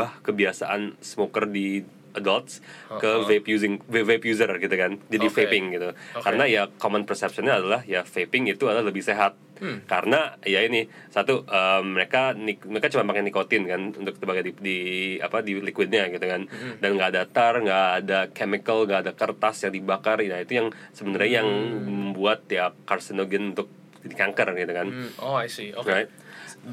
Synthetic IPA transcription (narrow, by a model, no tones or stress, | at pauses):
bahkəbiasa̰ʔa̰nsəmokərdi | adalt̪̚skəvepjuzɪŋvvepjuzərɡit̪ukand͡ʒadifepɪŋɡit̪ukaɾənajakomənpərsɛp̚sənɲaːdalahjafepɪŋit̪uadalahləbɪhseɦat̪̚kaɾənajainɪ | sat̪uʔəmːəɾekaniməɾekat͡ʃumanpaŋɛnikot̪ɪnkanṵnt̪ʊksəbaɡajdidia̰padilikwɪd̚ɲaɡit̪ukandanŋɡadat̪arŋɡaːdakemikəlŋɡaːdakərt̪asjaŋdibakarjait̪ujaŋsəbənaɾɲajaŋməmbuat̪̚jakarsinoɡɛnunt̪ʊk̚ | dikaŋkərɡit̪ukanoasiokɾajt̪̚